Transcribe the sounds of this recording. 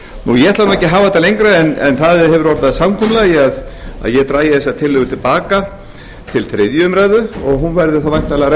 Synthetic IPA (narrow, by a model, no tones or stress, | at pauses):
nujɛɛt̪lanɔhɛcɪɦaːvaðɛt̪alejŋkɾaɛnɛ̰nθaðɦɛvʏɾɔɾt̪aðsamkʰɔmlɛjɪaða̰ðjɛt̪ɾaːjɪθɛsːat̪ʰɪlːɪɣʏt̪ʰɪlpaːka | t̪ʰɪlθɾɪðjʏʏmɾajðʏɔɣɦunvɛɾðʏ̥θawvajŋ̥t̪alaɾɛ